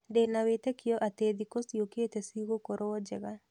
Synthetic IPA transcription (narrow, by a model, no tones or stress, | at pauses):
denawet̪ekɪjɔʔat̪ed̪ikosjoket̪esiɡokoɾowɔd͡ʒɛɡa